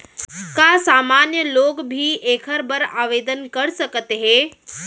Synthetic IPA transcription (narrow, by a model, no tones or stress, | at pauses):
kasaːmaːnjəloːkbʱiːʔeːkʰəɾbəɾaːʋeːd̪ənkɐɽsəkət̪ɦeː